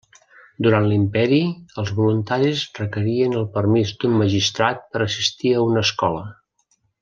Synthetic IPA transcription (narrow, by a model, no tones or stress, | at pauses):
d̪uɾant̪limpɛɾiəlˠzβulunt̪aɾizrəkəɾiənəlˠpəɾmizd̪umməʒist̪ɾat̪̚pəɾəsist̪iəunəskɔlə